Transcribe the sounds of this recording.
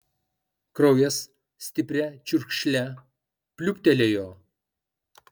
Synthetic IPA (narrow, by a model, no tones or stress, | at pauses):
kɾɔʊjɛs | sʲt̪ʲɪpʲɾʲɛt͡ʃʲʊɾʲkʃʲlʲɛ | pʲlʲʊpʲt̪ʲɛlʲeːjoː